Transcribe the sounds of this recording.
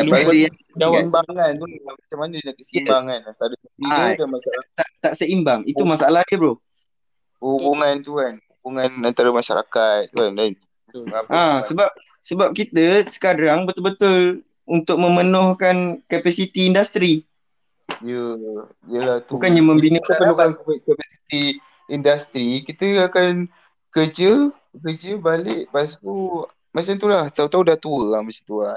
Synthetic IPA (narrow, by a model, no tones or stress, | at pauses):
aluaia | dawanbaŋant̪uamat͡ʃamanəinakəsimbaŋanant̪aɾəəiadamaat̪aʔt̪aʔsəimbaŋit̪umasaʔalahdəbɾo | ubuŋant̪uanubuŋanant̪aɾəmaʃa̰ɾa̰kat̪̚ːuandan | ŋaʔãsəbap̚ | səbap̚kit̪əsə̥kaɾaŋbət̪ʊlbət̪ʊl | unt̪ʊk̚mə̃mənɔhkankapasit̪iːndast̪ɾi | ijə | ijəlaht̪ubukanɲamə̃mbinəəpəlukanpakapasit̪i | indast̪ɾikit̪əakan | kəd͡ʒə | kəd͡ʒəbalɪʔpasi̥t̪u | mat͡ʃant̪ulaht̪aut̪audaht̪uəamat͡ʃit̪ua